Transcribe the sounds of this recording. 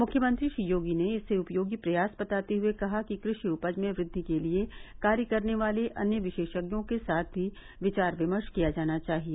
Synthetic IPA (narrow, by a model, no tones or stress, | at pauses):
mʊkʰjəmə̃nt̪ɾiʃijoːɡineɪseʊpjoːɡipɾɐjaːsbɐt̪aːt̪eɦʊekɐɦakikɾɪʃiʊpəd͡ʒmẽʋɾɪd̪ʱːikeliekaːɾjəkɐɾneʋaːleʔɐ̰njəʋɪʃeːʃəɡjõkesaːt̪̚ʰbʱi | ʋɪt͡ʃaːɾʋɪməɾʃkijad͡ʒaːnat͡ʃaːɦieː